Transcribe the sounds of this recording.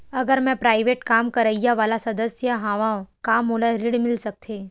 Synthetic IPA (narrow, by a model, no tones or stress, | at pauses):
əɡəɾmɛ̃pɾaiʋeʈkamkəɾəjjaʋalasəd̪əsjəɦãʋãkamulaɾiɽmɪlsək̚t̪ʰe